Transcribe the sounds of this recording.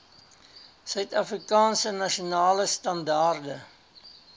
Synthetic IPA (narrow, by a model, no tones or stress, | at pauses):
sœɥtɐfrikɑːnsənɐʃiunɑːləstɐndɑːrdə